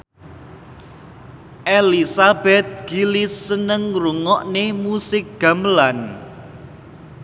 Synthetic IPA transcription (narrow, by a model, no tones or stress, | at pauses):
ʔelisabɛt̪̚ɡ̥ilɪsːənəŋruŋɔʔnemusɪk̚ɡ̥a̤mlan